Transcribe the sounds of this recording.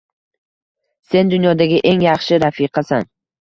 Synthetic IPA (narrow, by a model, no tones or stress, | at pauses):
se̞nd̪ʊnjɒd̪aɡʲɪʔe̞ŋjɑχʃɪɾafiqʰɑsan